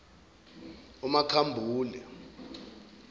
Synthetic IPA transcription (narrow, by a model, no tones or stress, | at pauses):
umakʰambʱuːlɛ̰